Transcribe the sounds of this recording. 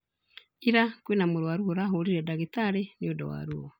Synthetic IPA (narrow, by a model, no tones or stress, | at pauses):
iɾakwenamoɾwaɾuoɾaɦoɾiɾɛdaɣitaɾeniodɔ̰wa̰ɾuɔ